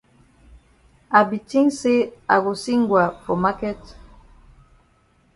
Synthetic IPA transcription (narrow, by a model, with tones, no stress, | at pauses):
a˨bi˨ti˦ŋse˦a̰˨ɣo˨si˦ŋɡwa˨po˨ma˦kɛ˦t